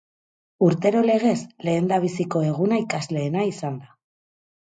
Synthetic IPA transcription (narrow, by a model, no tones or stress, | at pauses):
uɾt̪e̞ɾo̞le̞ɣ̞e̞sle̞ːnd̪aβ̞isiko̞e̞ɣ̞unaikazle̞ːnaisand̪a